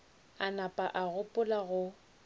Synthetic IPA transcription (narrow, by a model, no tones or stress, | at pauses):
anapʼaʔaɣʊpʼʊlaɣʊ